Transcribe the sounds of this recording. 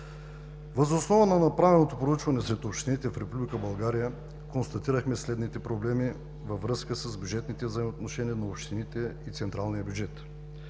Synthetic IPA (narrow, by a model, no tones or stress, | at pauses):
vəzosnɔvənɐnɐpɾavɛlˠnot̪opɾout͡ʃvɐnɛsɾɛt̪opʃt̪init̪ɛfɾɛpublʲikəbɐlˠɡaɾijə | konst̪ɐt̪iɾəxmɛslɛd̪nit̪ɛpɾoblɛmi | vɐvɾɤskəsəzbʲjud͡ʒɛt̪nit̪ɛvzəimot̪noʃɛniənɐopʃt̪init̪ɛit̪sɛnt̪ɾalˠnijəbʲjud͡ʒɛt̪